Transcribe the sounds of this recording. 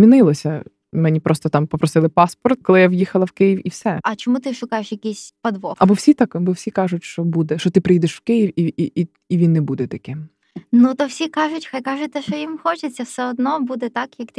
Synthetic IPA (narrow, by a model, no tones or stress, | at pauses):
mʲinɪlˠɔsʲɐ | mɛnʲipɾɔst̪ɔt̪ɑmpɔpɾɔsɪlˠɪpɑspɔrt̪̚kɔlˠɪjaʋjixɐlˠɐwkɪjiwiwsɛɐt͡ʃɔmut̪ɪʃʊkɑjeʃjɐkʲisʲpɐd̪ʋɔɐbɔwsʲit̪ɑkɐbɔwsʲikɑʒʊtʲʃt͡ʃɔbud̪ɛʃt͡ʃɔt̪ɪpɾɪjid̪ɛʃw̥kɪjiwii | iʋʲinːɛbud̪ɛt̪ɐkɪm | nut̪ɔwsʲikɑʐʊtʲxajkɑʒʊt̚ʲt̪ːɛʃt͡ʃɔjimxɔt͡ʃet͡sʲːɐwsɛɔd̪nɔbud̪ɛt̪ɑkjɐkt̪